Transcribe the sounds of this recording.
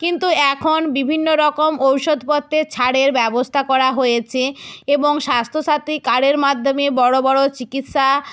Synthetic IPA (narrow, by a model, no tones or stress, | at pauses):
kint̪uɛkʰonbibʱinːoɾɔkomowʃod̪ʱpɔt̪ʰːet͡ɕʰaɽeɾbɛbost̪ʰakɔɾaɦojet͡ɕʰeeboŋʃast̪ʰoʃat̪ikaɽeɾmad̪ʱːomebɔɽobɔɽot͡ɕikit̪ʃa